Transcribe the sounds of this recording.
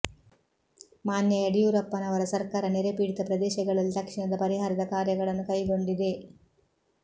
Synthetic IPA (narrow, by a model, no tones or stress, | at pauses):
maːnjɐɐɽijuɾɐpːɐnɐʋɐɾɐsɐɾkaːɾɐneɾepiːɽit̪ɐpɾɐd̪ɛːʃɐɡɐɭɐlːid̪ɐkʂiɳɐd̪ɐpɐɾiɦaːɾɐd̪ɐkaːɾjɐɡɐɭɐnːukɐjɡo̞ɳɖid̪e̞